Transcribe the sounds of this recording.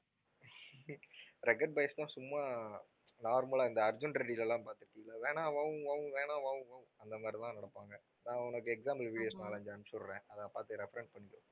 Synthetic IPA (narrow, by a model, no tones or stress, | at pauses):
ɾɛkːɐʈ̚bɐɪst̪ãːsʊmːaː | naːɾmɐlaːɪnd̪ɐɐɾd͡ʒʊnɾɛɖilɛlːãːpaːɾt̪ɪɾɯkːiːŋɡɐlaːʋeːnãːʋaːʋɯ̃ʋaːʋɯ̃ʋeːnãːʋaːʋʊ̃ʋãːɐnd̪ɐmaːɾit̪ãːnɐɽɐpːaːŋɡɐ | nãːʊnɐkːɯɛksaːmbɐlʋiːɽɪjoːsnaːlɐɲd͡ʒɐnsɔɭɾẽːɐðapaːɾt̪ːɯɾɛfɐɾɛɳʈ̚pɐɳːɪkːʊ̃